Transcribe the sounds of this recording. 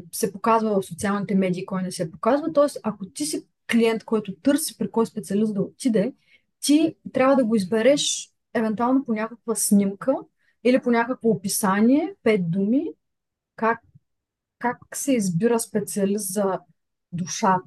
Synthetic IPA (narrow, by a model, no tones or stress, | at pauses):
sɛpokazvəvɐfsot̪sialˠnit̪ɛmɛd̪iːkɔjnɛsɛpokazvɐət̪ɔɛst̪ɐkot̪isi | kliɛnt̪kɔjt̪ʊt̪ɤɾsi̥pɾikɔjspɛt̪siɐlisd̪ɐot̪id̪ɛ | t̪it̪ɾʲabvəd̪ɐɡoizbɛɾɛʃ | ɛvɛnt̪ualˠnoponʲakəkvəsnʲimkə | iliponʲakəkvoːpisanʲiɛpɛt̪̚d̪umi | kakː | aksɛizbiɾəspɛt̪siɐlist̪zɐ | d̪uʃa